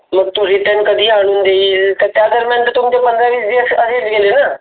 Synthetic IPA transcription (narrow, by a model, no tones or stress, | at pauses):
mək̚t̪uɾiːʈə̃nkəd̪iːaːɳʊ̃nd̪eiːt̪et̪aːd̪əɾmɛ̃ːnt̪ːt̪ʊmːd̪eːpənd̪ɾãːʋiːseːsəseːd͡ʒɡeːleːnaː